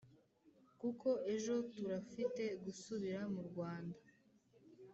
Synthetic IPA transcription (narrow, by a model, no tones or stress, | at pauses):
kukʰo̞e̞ʒo̞tuɾafite̞ɡusuβiɾamuɾɡwaːnda